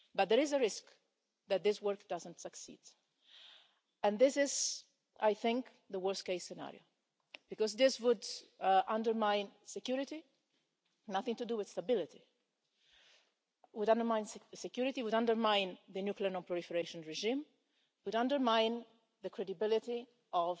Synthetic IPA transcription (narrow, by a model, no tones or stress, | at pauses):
bʌt̪̚d̪əɹɪzəɹɪsk | ðæt̪̚d̪ɪswɜɹkd̥azə̃ntsəksḭːd̥ | ɛ̃nðɪsɪz | ʔajθɪ̃ŋk | ðəwɜ˞stkeɪsɛna̰ɹio̰ʊ | b̥ɨkɔzðɪswʊdʔãndəɹmãɪ̃nsɛkjuɹɪti | naθɪ̃ŋtuduwɪð̥stabɪlɪt̪i | wʊdãndəɹmãɪ̃nsɛkjuɹɪt̪iwʊdãndəɹmãɪ̃nðənjukliəɹnɔ̃mpluɹɪfəɾeʃɔ̃nɹɛʒĩm | wʊdãndəɹmãɪ̃n | ðəkʰɹɛdɪbɪlɪti | ɔv